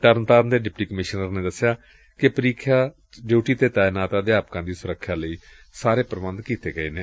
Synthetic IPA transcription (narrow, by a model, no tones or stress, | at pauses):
t̪əɾnt̪aːɾnd̪eːɖɪpʈiːkəmɪʃnəɾneːd̪əsjaː | kɪpəɾiːkʰjaː | ɖjuːʈiːt̪eːt̪aːɪnaːt̪aːd̪eaːpkãːd̪iːsʊɾəkʰːjãːləiː | saːɾeːpəɾəʋənd̪kiːt̪eːɡəḛːneː